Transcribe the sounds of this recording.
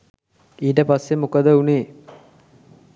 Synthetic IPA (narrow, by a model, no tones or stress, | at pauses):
iːʈəpasːemukəd̪əuneː